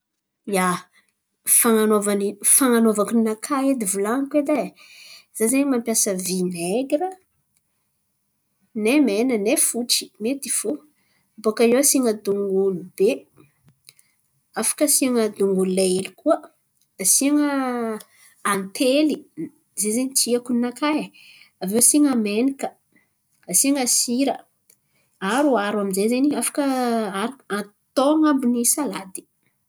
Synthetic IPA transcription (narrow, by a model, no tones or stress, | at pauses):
ja | faŋanovanifaŋanovakuninakʰaed̪ivulankwed̪a | z̥azeɲmampjasəvineɡɾə | nemenənefuʈ͡ʂi̥met̪ifu | bokaewasiŋəd̪uŋɡulube | afḁkəsiaŋəd̪uŋɡululaelikʰuəː | siaŋə | ant̪ʰeli | zezeɲit͡siakunakʰaj | avewsiŋamenikə | asiaŋəsiɾə | aɾuaɾwaminzezeniafḁkəaɾuat̪oŋambunisalad̪i̥